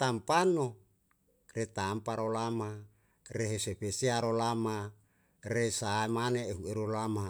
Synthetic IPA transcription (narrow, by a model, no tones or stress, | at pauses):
t̪ampano | ret̪ampaɾolama | reɦesepeseaɾolama | resaemaneːɦueɾolama